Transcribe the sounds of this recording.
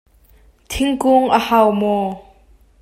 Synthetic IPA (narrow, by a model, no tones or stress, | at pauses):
t̪ʰɪŋkuŋʔəhawmɔ